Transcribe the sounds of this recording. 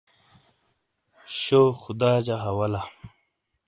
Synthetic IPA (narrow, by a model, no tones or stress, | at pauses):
ɕoːxud̪aːd͡ʑaɦɐwɐla